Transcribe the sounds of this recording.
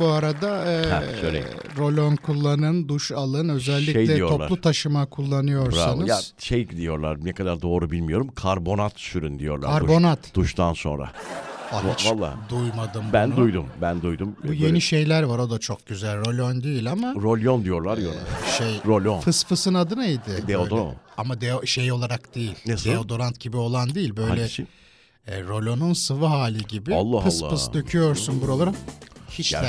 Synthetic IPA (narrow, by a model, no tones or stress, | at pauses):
buaɾad̪aɛːɛølʲeiɾo̞lʲonkʰulˠːanɯnd̪uʃalˠɯnø̞zɛlʲːicelʲɛjoo̞plˠalˠut̪ʰaʃɯmakʰulˠːanɯjo̞ɾsanɯjaʃejd̪ijo̞ɾlˠaɾnɛkʰad̪aɾd̪o̞ːɾubilʲmijo̞ɾumkʰaɾbo̞nat̪ʃyɾynd̪ijo̞̰ɾlˠaɾaɾbo̞nat̪ʰd̪̥uʃt̪ʰanso̞nɾa̰aalˠːa̰ːd̪ujmad̪ɯmbænd̪ujd̪umbænd̪ujd̪umbuje̞niʃe̞jlʲæɾvaɾo̞d̪at͡ʃʰok̚ɟyzælʲɾo̞lʲond̪ejilʲamaɾolʲjond̪ijo̞ɾlˠaɾjo̰ʃejɾolʲonpʰɯsfɯsɯnad̪ɯnaid̪ɪd̪eod̪oɾa̰namad̪eʃejo̞lˠaɾakd̪̥ejilʲd̪eseod̪o̞ɾant̪ɟ̥ibio̞lˠand̪iilʲbø̞jlʲɛ | ɾo̞lʲo̞nunsɯvɯɦaːlʲiɟibɪalˠːapɯlsːˠɯsd̪øcʰyjo̞ɾsunbuɾalˠaɾahit͡ʃæ